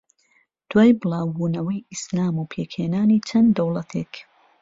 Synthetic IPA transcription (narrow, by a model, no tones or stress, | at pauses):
d̪̥waːjbɨlˠɑːwbuːnɐwɐjʔislaːmupʰeːkheːnaːniːt͡ʃʰɐnd̪ɐwlɐt̪ʰek